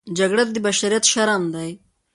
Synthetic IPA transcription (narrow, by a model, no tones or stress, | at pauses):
d͡ʒaɡɽat̪d̪ibaʃaɾijat̪ʃaɾamd̪aj